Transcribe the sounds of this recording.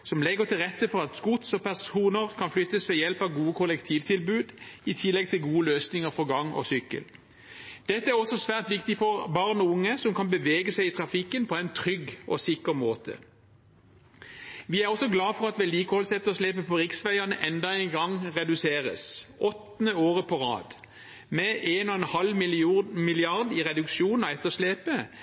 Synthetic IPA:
sɔmlɛɡəʁt̪ʰɪlʁɛt̪ːəfɔʁɑt̪skʊt̪sɔpʰæʁsuːnəʁkʰɑnflʏt̪ːəsʋɛjɛlpɑʋɡuːəkʰɔlɛkt̪ʰiːʋt̪ʰɪlbʉːd̪ɪt̪ʰɪlːɛɡ̚t̪ʰɪlɡuːəløːsnɪŋəʁfɔʁɡɑŋɔ̰sʏkːə̰l | d̪̥ɛt̪ːəæʁɔsːɔsʋæːʁt̪ʋɪkt̪ɪfɔʁbɑʁnɔʊŋːəsɔmkʰɑnbəʋeːɡəsæɪɪt̪ʰʁɑfɪkːənpʰɔæɪnt̪ʰʁʏɡʔɔ̰sɪkəʁmoːt̪ʰə̰ | ʋɪæʁɔsɔɡlɑːfɔʁɑt̪ʋɛliːkəhɔlsɛt̪ːəʁɔsleːpəpʰɔʁɪksʋæɪɑnəʔɛnd̪ɑɛɪnɡɑŋʁɛd̪ʉseːʁə̰sɔt̪ːnəoːʁəpʰɔʁɑ̰ːd̪ | mɛʔeːnɔɛnhɑlmɪmɪlɪɑʁd̪ɪʁɛd̪ʉkʃuːnn̩ɑɛt̪ːəʂleːpə

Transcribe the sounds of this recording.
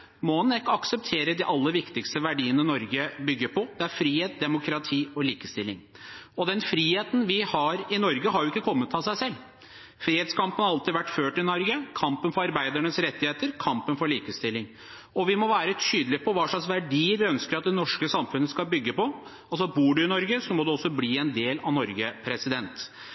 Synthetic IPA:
mɔnɪkːəɑksəp̚t̪ʰeːɾəd̪ɪʔɑlːəɾʋɪkt̪ɪkst̪əʋæɖiːənənɔɾɡəbʏɡːəɾpʰɔd̪ɛæɾfɾiːheːt̪̚d̪ɛmʊkʰɾɑt̪ʰiːɔliːkəst̪ɪlːɪ̰ŋ | ɔd̪ɛnfɾiːheːt̪n̩ʋɪhɑɾɪnɔɾɡəɦɑɾjʊɪkːəkʰɔmːət̪ʰɑsæɪsɛlː | fɾiːheːt̪skʰɑmpənhɑɾɑlt̪ɪʋæʈːføːʈɪnɔɾɡəkʰɑmpənfɔɾɑɾbæɪd̪æɳəsɾɛt̪ːɪheːt̪əɾkʰɑmpənfɔɭiːkəst̪ɪlːɪŋ | ɔʋɪmɔʋæːɾət̪yːd̪lɪpʰɔʋɑːʂɭɑksʋæɖiːəɾʋɪœnskəɾɑt̪̚d̪ɛnɔʂkəsɑmfʉnːəskɑlbʏɡːəpɔ | ɑlsɔbuːɖʉɪnɔɾɡəsɔmɔd̪ɛɔsːɔbliːɛnd̪eːlɑ̰ʋnɔɾɡəpʰɾɛsɪd̪ɛnt̪

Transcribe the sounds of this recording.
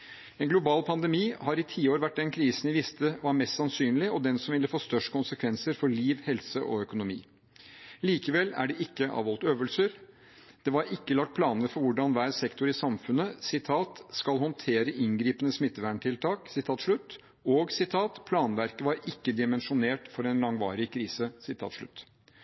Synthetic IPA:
ɛːnɡlʊbɑːlpʰɑnd̪ɛmiːhɑɾɪt̪ʰiːoːɾʋæʈ̚ːd̪ɛnkʰɾiːsnɪʋɪst̪əʋɑɾmɛst̪sɑnsyːnlɪɔd̪ɛnsɔmʋɪlːəfoːst̪œʂkʊnsəkʰʋɛnsəɾfɔɭiːʋhɛlsəʔɔ̰œkʊnʊmḭː | liːkəʋɛlːæ̰ɖɛʔɪkːəʔɑ̰ːʋɔlt̪øːʋəlsəɾ | d̪̥ɛʋɑɾɪkːəlɑk̚t̪̚pʰlɑːnəɾfɔɾʋʊɖɑnʋæːɾsɛkt̪ʊɾɪsɑmfʉnːəsɪt̪ʰɑːt̪skɑlhɔnt̪ʰeːɾəʔɪnɡɾiːpənəsmɪt̪ːəʋæːɳʈʰɪlt̪ʰɑːksɪt̪ʰɑːt̪ʂɭʉt̪ː | ɔɡsɪt̪ʰɑːt̪pʰlɑːnʋæɾkəʋɑɾɪkːəd̪ɪmɛnʂʊneːʈfɔɾɛnlɑŋʋɑ̰ːɾɪkʰɾiːsəsɪt̪ʰɑ̰ːt̪ʂɭʉ̰t̪ː

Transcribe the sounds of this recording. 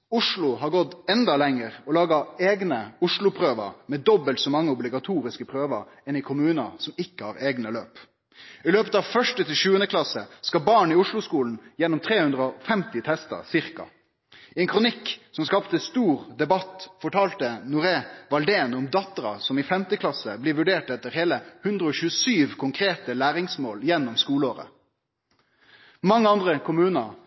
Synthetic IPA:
ʊʂɭʊɦɑɾɡɔt̪ːɛnd̪ɑlɛŋːəɾɔlɑːɡɑeːɡnəʊʂɭʊpʰɾøːʋə̰mɛd̪ɔbəlt̪sɔmɑŋːəɔblɪɡɑt̪ʰuːɾɪskəpʰɾøːʋə̰ɾ | ɛnɪkʰʊmʉːnɑ̰sɔmɪkːəhɑ̰ɾeːɡnəløːp | ɪløːpət̪ɑʋfœʂʈət̪ʰɪlʃʉːənəkʰlɑsə̰skɑbɑːɳiʊʂɭʊskuːln̩jɛnːɔmt̪ʰɾeːhʉnd̪ɾəɔfɛmt̪ɪt̪ʰɛst̪ə̰sɪɾkɑ̰ | ɛŋkʰʁʊnɪkːsɔmskɑpt̪əst̪uːʁd̪ɛbɑt̪fɔʈʰɑːlt̪ənʊɾeːʋɑld̪eːnʊmd̪ɑt̪əɾɑ̰sɔmiːfɛmt̪əkʰlɑsə̰bliːʋʉɖeːʈɛt̪ːəɾheːləhʉnd̪ɾəoːçʉːəsyːʋkʰʊŋkʰɾeːt̪əlæːɾɪŋsmoːljɛnːɔmskuːləoːɾə̰ | mɑŋːəɑnd̪ʁəkʰʊmʉːnə

